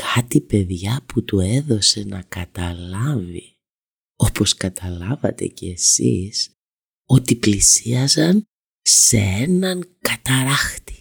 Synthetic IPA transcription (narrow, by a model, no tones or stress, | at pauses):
kʰɐt̪ipe̞ðʝɐput̪ue̞ðo̞se̞nɐkɐt̪ɐlɐvi | o̞po̞skɐt̪ʰɐlɐvɐ̰t̪e̞̰ceːsḭs | o̞t̪iplisiɐzɐn | sḛenɐŋkɐt̪ɐɾɐxt̪i̥